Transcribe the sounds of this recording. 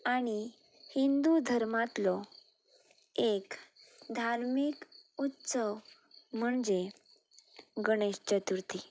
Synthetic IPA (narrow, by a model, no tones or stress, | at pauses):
aɽ̃i | hind̪ud̪ʱəɾmat̪lɔ | ekd̪ʱaɾmikut̪səw | m̤əɳd͡ze | ɡəɽ̃eɕt͡ɕət̪uɾt̪i